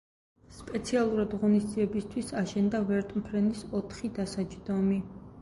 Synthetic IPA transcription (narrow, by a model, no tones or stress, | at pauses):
spʼɛt̪sʰialˠuɾad̪ʁɔnisd̪ziɛbist̪ʰwisaʃɛnd̪avɛɾt̪ʼmpʰɾɛnisɔt̪ʰχid̪asad͡ʒd̪ɔmi